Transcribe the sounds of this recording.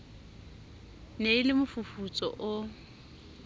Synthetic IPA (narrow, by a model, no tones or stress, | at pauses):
neɪlɪmʊfufut͡sʼɔ̰ʔʊ